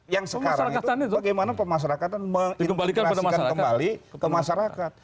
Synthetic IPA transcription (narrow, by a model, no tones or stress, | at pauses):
jaŋsəəkaɾaɾaŋikat̪anit̪baɡajmanapəmaʃaɾakat̪anməŋdikəmbalikanpadamakanakəmbalikəmaʃaɾakat̪̚